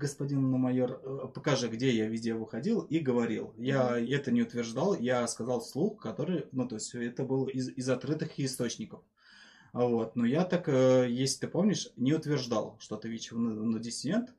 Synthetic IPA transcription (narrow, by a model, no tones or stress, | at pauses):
ɡəspɐdʲinːəmɐjorpəkɐʐɨɡdʲejavʲidʲəvɨxɐdʲilˠiɡəvɐɾʲḭlˠjaɛt̪ənʲɪʊt̪vʲɪrʐd̪alˠjaskɐzɑlˠslˠuxkɐt̪o̞ɾɨjnut̪o̞ɪsʲɛt̪əbɨlˠɪzɪzɐt̪kɾɨt̪ɨxɪːst̪o̞t͡ɕnʲɪkəf | vo̞t̪nojat̪akəjesʲlʲɪt̪ɨpo̞mnʲɪʂnʲɪʊt̪vʲɪrʐd̪alˠʂt̪o̞t̪ɨvʲit͡ɕɪnɨnədʲɪsʲɪdʲe̞nt̪